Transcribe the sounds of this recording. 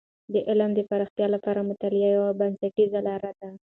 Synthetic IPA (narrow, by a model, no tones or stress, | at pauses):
d̪əʔɪlmd̪əpaɾaxt̪jɑlapɑɾamʊt̪alɪjɑjawabansaʈizalɑɾad̪a